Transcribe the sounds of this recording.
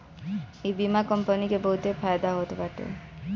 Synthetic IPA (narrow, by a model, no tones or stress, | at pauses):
ebimakɔmpənikebəɦut̪efʰajd̪aɦot̪baʈḛ